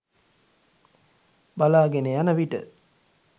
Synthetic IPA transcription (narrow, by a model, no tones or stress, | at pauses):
balaːɡenejanəʋiʈə̰